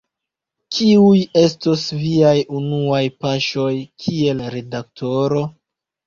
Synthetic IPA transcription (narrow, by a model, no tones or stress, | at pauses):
kʰiuje̞stosviajunuajpaʃo̞jkʰie̞lɾe̞dak̚tʰo̞ɾo̞